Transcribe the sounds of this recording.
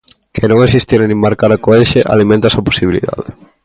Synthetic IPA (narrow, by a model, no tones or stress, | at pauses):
kʰenõŋes̬ist̪iɾnĩŋmaɾkaɾɐkoeʃeʔa̰limẽnt̪asapo̥siβilḭða̰ðe